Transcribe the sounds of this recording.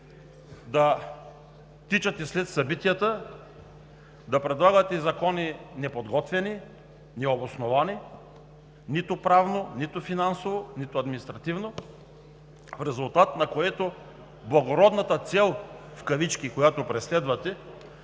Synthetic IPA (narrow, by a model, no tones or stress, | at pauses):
d̪ɐ | t̪it͡ʃɐt̪ɛslɛt̪sɐbit̪ijɐt̪ə | d̪ɐpɾɛd̪lˠaɡɐt̪ɛzɐkɔninɛpod̪ɡɔt̪vɛni | nɛobosnovani | nit̪ʊpɾavnonit̪ʊfinansovonit̪ʊɐd̪minist̪ɾɐt̪ivno | fɾɛzʊlˠt̪at̪nɐkoɛt̪o | blˠɐɡoɾɔd̪nɐt̪ət̪sɛlˠfkɐvit͡ʃkikojat̪opɾɛslɛd̪vɐt̪ɛ